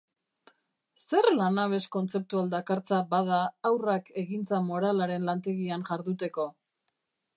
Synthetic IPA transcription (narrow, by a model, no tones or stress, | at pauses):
se̞rlanaβ̞e̞sko̞nt͡se̞p̚t̪uald̪akaɾt͡sabað̞aːwrake̞ɣint͡samo̞ɾalaɾe̞nlant̪e̞ɣianʝaɾðut̪e̞ko̞